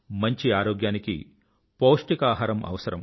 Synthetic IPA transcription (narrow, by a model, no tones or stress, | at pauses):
mɐɲt͡ʃiaːɾoːɡjaːnikḭ | poːʂʈikaːɦaːɾɐmɐ̰ʋɐsɐɾɐm